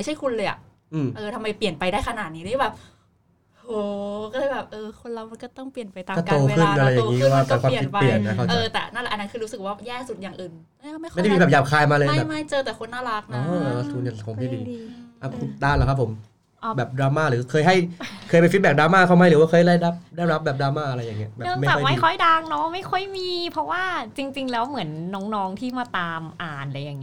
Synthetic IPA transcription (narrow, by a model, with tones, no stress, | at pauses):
ma˥˩jt͡ɕʰa˥˩jkʰu˧nlɤː˧jʔa̰˨˩ʔ | ʔɯː˧˩mʔɤː˧t̪ʰa˧mːa˧jpi˨˩ənpa˧jdaː˥˩jkʰa˧naː˨˩t̪̚niː˦˥lɯː˦˥˩bɛː˨˩p̚ | ʔoː˧˩kɔ˥˩lɤː˧˥jbɛː˨˩p̚ʔɤː˧kʰo˧nla˧˩wma˧nkɔː˥˩t̪ɔ˥˩ŋpli˨˩ənpa˧jt̪aː˧ɔ˥˩tt̪oː˧kʰɯ˥˩˧nna˧ɾa˧˩ja˨˩ŋiː˦˥˧waː˧˥˩pɛ˧kwaː˧˥˨mʰ˩i˧˨˦pli˨˩ənːa˦˥kʰa˥˩t͡ɕɤː˧t̪ɛ̰ː˨˩na˥˩nlɛ˨˩ʔnːa˦˥nkʰɯː˧ɾuː˦˥sɯ˨˩k̚waː˥˩jɛː˥˩su˨˩t̪̚jaː˨˩ŋʔɯː˨˩n˥˩˧ma˥˩˨a˥˩jdmiː˧bɛː˨˩jaː˨˩p̚kʰaː˧jmaː˧lɤː˧bɛː˨˩ma˥˩jt͡ɕɤː˧t̪ɛː˨˩kʰo˧nːaː˥˩la˦˥˩k̚nɔː˧˦˨a˧˩t̪uː˨˦nja˨˩kʰɔ˨˩˦t̪ʰiː˥˩diː˧ʔa˧˩˧daː˥˩laː˧˩kʰa˦˥pʰːo˩˦m˧˩ | bɛː˨˩p̚dɾaː˧maː˥˩ɾɯː˨˦kʰɤː˧jɦa˥˩jkʰɤː˧jpe˧nfi˦t̪̚bɛː˨˩daː˧maː˥˩k̪ʰa˥˩wma˧˦jɾɯː˨˦wa˥˩kɤː˧˩jdaː˥˩jɾa˦˥p̚daː˥˩jɾa˦˥p̚bɛː˨˩daː˧maː˥˩ʔa˧ɾa˧jːa˨˩ŋːi˦˥ɐbɛ˨˧˩mm˥jɛː˨ɔ˥˩jma˧˥˩jkʰɔ˥˩jdaː˧ŋnɔ˦˥ma˥˩jkʰɔ˥˩jmiː˧pʰɾɔ˦˥waː˥˩t͡ɕi˧ŋt͡ɕi˧ŋlɛː˦˥wmɯ˨˩˦ənːɔː˦˥ŋnɔː˦˥ŋt̪ʰiː˥˩maː˧˩t̪aː˧mʔaː˨˩nʔɾa˧jːa˨˩ŋi˦